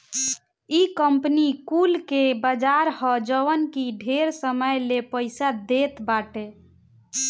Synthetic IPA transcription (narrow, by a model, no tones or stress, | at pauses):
ikəmpnikulkebəd͡ʒaɾhɔd͡ʒəʋənkiɖʱeɾsəməjlepəɪsad̪et̪baʈe